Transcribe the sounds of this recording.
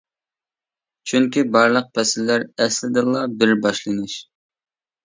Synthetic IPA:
t͡ʃʰyŋkʲibɑɾlˠəq̚pʰɛsɪlːæɾɛslɪd̪ɨlˠɑbɪɾbɑʃlˠɨnɨʃ

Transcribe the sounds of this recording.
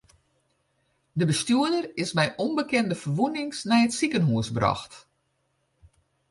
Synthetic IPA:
dəbəstyədərɪsbɛjʔonbəkɛndəfərʋunɪŋsnɛjətsikənɦuəsbrɑ̰xt

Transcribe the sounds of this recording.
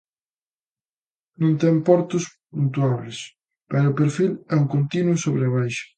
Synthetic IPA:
nõnt̪ɛŋpɔɾt̪ʊspunt̪waβlɪs | pɛɾʊːpeɾfilɛuŋkont̪inwʊsoβɾeβajʃɐ̥

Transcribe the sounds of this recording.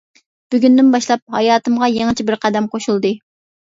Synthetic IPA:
b̥yɡʲynd̪ɪnbɑʃlˠɑp̚hɑjɑːt̪ɨmʁɑjeŋɨt͡ʃʰibɪɾqʰæd̪ɛmqʰoʃulˠd̪ɨ

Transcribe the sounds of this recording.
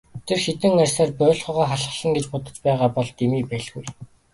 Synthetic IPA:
t̪ʰerxet̪ɘ̆ŋærʲsaːrpœːɮʁœːʁaːχaɮχə̆ɮə̆ŋɡet͡ɕpʊt̪ə̆t͡ɕpæːʁaːpɔɮt̪emiːpæɮɣuj

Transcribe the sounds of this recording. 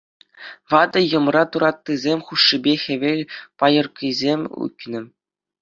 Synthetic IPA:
ʋɑd̪ɤ̆jɤ̆mrɑt̪uɾɑt̪ːizʲemʲχuʂːibʲexʲɘ̆ʋʲelʲpɑjɤ̆rkʲizʲemʲṵkʲnɘ̆

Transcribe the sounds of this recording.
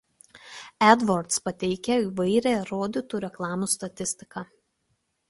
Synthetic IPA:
ɛd̪ʋɔɾt̪spɐt̪ʲɛɪkʲɛiːʋɐɪɾʲɛːˑɾoːd̪ʲɪt̪uːɾʲɛklˠɑːmuːst̪ɐt̪ʲɪsʲt̪ʲɪkɑ

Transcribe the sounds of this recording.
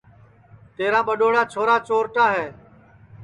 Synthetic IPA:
t̪eːɾãːɓəɗoːɽaːt͡ʃʰoːɾaːt͡ʃoːɾʈaːɦɛː

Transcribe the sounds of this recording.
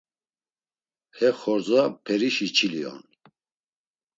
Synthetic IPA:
hɛχɔɾzapʰɛɾiʃit͡ʃʰiliɔ̰n

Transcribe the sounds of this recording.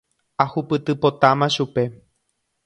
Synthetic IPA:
ahupɨt̪ɨpo̞t̪amãʃupe̞

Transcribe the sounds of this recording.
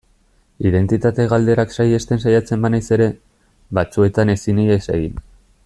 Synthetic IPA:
iðe̞nt̪it̪at̪e̞ɣald̪e̞ɾaksaje̞st̪e̞nsajat͡se̞mbanajse̞ɾe̞ | βat͡sue̞t̪ane̞siniesḛɣin

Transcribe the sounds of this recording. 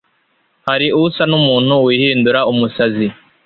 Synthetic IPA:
haɾiuusanumuːn̥huwiːhiːnduɾaumusazi

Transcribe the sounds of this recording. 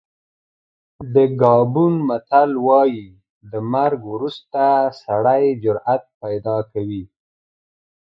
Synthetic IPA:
d̪əɡɑbunmat̪alwɑji | d̪əmaɾɡwɾust̪asaɽajd͡ʒʊɾat̪̚pajd̪ɑkawi

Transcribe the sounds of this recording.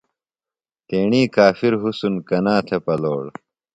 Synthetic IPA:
t̪eːɳiːkaːfiɾɦusunkɐnaːt̪ʰepɐloːɽ

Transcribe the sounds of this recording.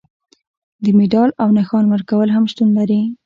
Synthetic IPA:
d̪əmeɖɑlawnaxɑnwəɾkawəlɦamʃt̪unlaɾi

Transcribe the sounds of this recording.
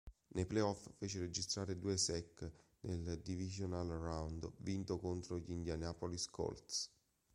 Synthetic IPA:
nepleɔfːeːt͡ʃeɾed͡ʒist̪ɾaːɾed̪uːesɛkːneld̪ivizonalrawnd̪vint̪okont̪ɾoʎind̪janapoliskɔ̰lt̪s

